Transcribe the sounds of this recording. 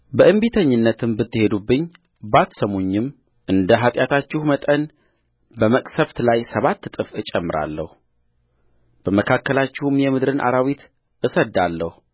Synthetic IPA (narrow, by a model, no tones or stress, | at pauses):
bəʔɨmbit̪ʰəɲːɨnːət̪ʰɨmbɨt̪ʰːɨhe̞d̪ubːɨɲː | bat̪səmo̞ɲːɪm | ʔɨnd̪əɦat̪ʼjat̪ʰat͡ʃːɪhumət̪ʼən | bəməkʼsəβt̪lajsəβat̪ːt̪ʼɨfɨt͡ʃʼɛmːɨɾa̰lːəhu | b̥əməkʰakːəlat͡ʃːɪhumjɛmɨd̪ɾɨnʔa̰ɾawit̪ | ʔɨsəd̪ːalːəhu